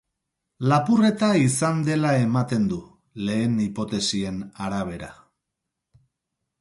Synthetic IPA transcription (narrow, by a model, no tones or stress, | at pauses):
lapure̞t̪aisand̪e̞lae̞mat̪e̞nd̪u | le̞ːnipo̞t̪e̞sie̞naɾaβ̞e̞ɾa̰